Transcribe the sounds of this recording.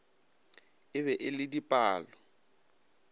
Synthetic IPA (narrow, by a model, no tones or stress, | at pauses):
ɪβɛʔɪlɪdipʼaːlɔ